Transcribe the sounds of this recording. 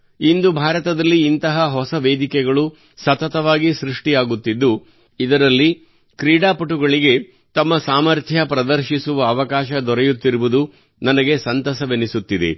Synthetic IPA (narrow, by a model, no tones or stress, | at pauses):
ind̪ubʱaːɾɐt̪ɐd̪ɐlːiːnt̪ɐɦɐɦɔsɐʋeːd̪ikɛɡɐɭu | sɐt̪ɐt̪ɐʋaːɡisɾuʂʈijaːɡut̪ːid̪ːu | id̪ɐɾɐlːi | kɾiːɽaːpɐʈuɡɐɭiɡe̞ | t̪ɐmːɐsaːmɐɾt̪ʰjɐpɾɐd̪ɐɾʃisuʋɐːʋɐkaːʃɐd̪ɔɾɛjut̪ːiɾuʋud̪u | nɐnɐɡe̞sɐnt̪ɐsɐʋenisut̪ːid̪ḛ